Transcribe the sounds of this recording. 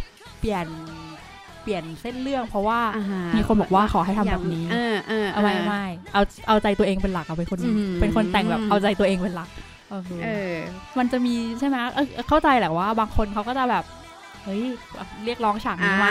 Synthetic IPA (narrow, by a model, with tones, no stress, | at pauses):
pli˨˩ən | pi˨˩ənse˥˩nlɯ˥˩əŋpʰɾɔ˦˥waː˥˩miː˧kʰo˧nbɔː˨˩k̚waː˥˩kʰɔː˩˦ɦa˥˩t̪ʰa˧bɛː˨˩p̚niː˦˥˧ʔɤː˧ʔa˧wa˧˥jʔa˧ma˥˩jʔa˧wʔa˧wt͡ɕa˧jt̪u˧əʔeː˧ŋpe˧nla˨˩k̚ʔa˨˩pe˧nkʰo˧nː˦pe˧nkʰo˧nt̪ɛ˨˩ŋbɛː˨˩p̚ʔa˧wt͡ɕa˧jt̪u˧ɐ˧ʔeː˧ŋpe˧nla˨˩k̚ | ʔoː˧˩kʰːɤː˧ma˧nt͡ɕa˨˩miː˧t͡ɕʰa˥˩jma˦˥ʔɤː˧˩ʔkʰa˥˩wt͡ɕa˧jlɛː˨˩waː˥˩baː˧ŋkʰo˧nkʰa˦˥wkɔː˥˩t͡ɕa˨˩bɛː˨˩p̚ | ʔɤ˦˥jɾi˥˩ək̚lɔː˦˥ŋt͡ɕʰaː˨˩˦ŋniː˧ma˦˥˩